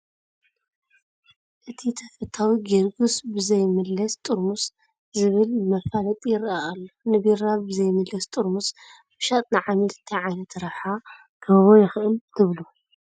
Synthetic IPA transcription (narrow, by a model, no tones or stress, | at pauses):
ʔɨt̪ʰit̪ʰɐfɐt̪ʰawiɡiɾɡusbɨzɐjmɨlːɐst̪ʼuɾmus | zɨβɨlmɐfalɐt̪ʼjɪɾʔaːlːonɨbiɾabɨzɐjmɨlːɐst̪ʼuɾmus | bɨʃat̪ʼnɨʕamilt̪ʰiʕajnɐt̪ɾɐħa | kʰɐββojɪxʔɨmt̪ʰɨβlu